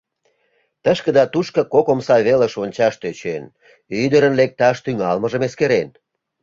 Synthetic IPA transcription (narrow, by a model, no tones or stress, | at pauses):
t̪əʃkəd̪ɑt̪uʃkə̆kokomsɑβeləʃonʲt͡ɕɑʃt̪øt͡ɕen | yd̪əɾənlek̚t̪ɑʃt̪yŋɑlməʒəmeskeɾen